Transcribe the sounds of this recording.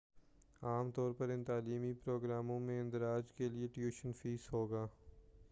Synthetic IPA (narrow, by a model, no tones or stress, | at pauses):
aːmt̪ɔːɾpɐɾɪ̃nt̪aːliːmipɾoːɡɾaːmõmẽɪ̃nd̪ɪɾaːd͡ʒkelieʈjuːʃənfiːsɦoːɡaː